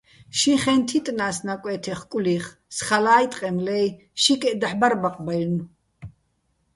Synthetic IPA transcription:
ʃiχɛnt̪ʰit̪ʼnaːsnakʼwɛːt̪ʰɛχkʼuliχ | sχalaːjt̪ʼqʼɛmlɛj | ʃikʼɛd̪aħbaɾbaqʼbaln

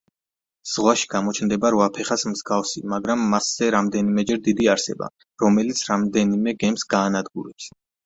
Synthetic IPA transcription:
z̥ʁwaʃi̥ɡ̥amɔt͡ʃʰnd̪ɛbaɾɔapʰɛχasmzɡafsimaɡɾamːasz̥ɛɾamd̪ɛnimɛd͡ʒɛɾd̪id̪iaɾsɛ̰ba̰ | ɾɔmɛlit̪sʰɾamd̪ɛnimɛɡɛmsɡ̥aːnad̪ɡuɾɛps

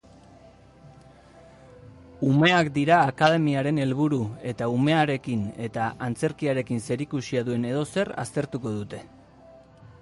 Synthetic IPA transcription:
ume̞akd̪iɾaːkað̞e̞miaɾe̞ne̞lβuɾue̞t̪aume̞aɾe̞kine̞t̪aʔant͡se̞ɾkiaɾe̞kinse̞ɾikusiaðue̞ne̞ðo̞se̞ra̰st̪e̞ɾt̪uko̞ðut̪e̞

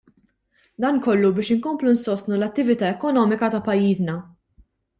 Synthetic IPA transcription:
d̪ɐːnkɔlːubɪːʃɪŋkɔmplunsɔst̪nulɐt̪ːɪvɪt̪ɐːɛkɔnɔːmɪkɐt̪ɐpɐjːiːznɐ

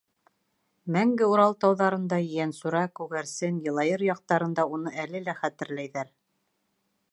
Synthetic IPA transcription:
mæŋɡɘuɾɑlˠt̪ɑwðɑɾɤ̆nd̪ɑjænsuɾɑkʉɣæɾsɘnjɤ̆lˠɑjɤɾjɑq̚t̪ɑɾɤ̆nd̪ɑunɤælɘlæχæt̪ɘ̆ɾlæjðæɾ

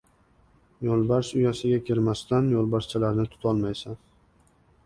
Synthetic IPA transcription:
jɒlˠbaɾʃʊjasɪɡʲakʲʰɪɾmast̪anjolˠbaɾst͡ʃʰalaɾnɪt̪ʰʊ̥t̪ʰɒlˠmajsan

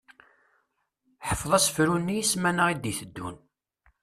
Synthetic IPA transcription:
ħəfðˤɑsə̥fɾunːijismænəʁid̪iθəd̪ːṵn

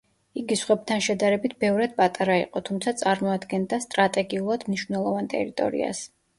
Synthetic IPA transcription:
iɡisχwɛb̚t̪ʰanʃɛd̪aɾɛbit̪ʰbɛvɾad̪̚pʼat̪ʼaɾaḭqʼɔt̪ʰumt̪sʰat̪sʼaɾmɔad̪ɡɛnd̪ast̪ʼɾat̪ʼɛɡiulˠad̪mniʃvnɛlˠɔvant̪ʼɛ̰ɾit̪ʼɔ̰ɾḭa̰s

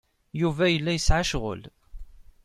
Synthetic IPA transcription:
juvæjəlːæjəsʕaʃʁə̰l

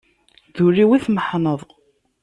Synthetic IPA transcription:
ðʊɾːiwiθməħnəðˤ

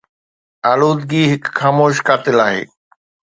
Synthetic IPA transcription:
aːloːd̪ɡiɦɪkxaːmoːʃ̬kaːt̪ɪlaːɦḛː

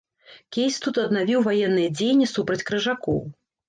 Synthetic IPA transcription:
kʲejsʲt̪ut̪ɐd̪navʲiwvajɛnːɨjɛd͡zʲejnʲːisupɾɐt͡sʲkɾɨʐakɔ̰w

